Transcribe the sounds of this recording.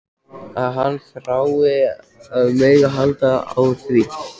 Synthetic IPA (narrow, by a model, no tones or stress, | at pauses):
aðɦanːfɾaːwɪ | meːjɣaɦalt̪aa̰wθvi